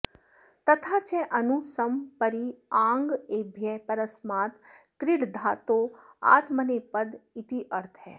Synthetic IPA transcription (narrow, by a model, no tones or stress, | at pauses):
t̪ɐt̪ʰat͡ʃɛʔɐnusəmpəɾiãːŋɡebʱjɛpɐɾəsmaːt̪ | kɾɪɽd̪ʱaːt̪o | a̰ːt̪mənepəd̪it̪iʔəɾt̪ʰɦɛ̰ː